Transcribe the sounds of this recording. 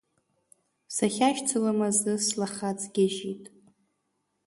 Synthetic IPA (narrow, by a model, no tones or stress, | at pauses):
saχʲaʃt͡sʰɨlamazɨslaχat͡sʼɡʲɪʒitʼ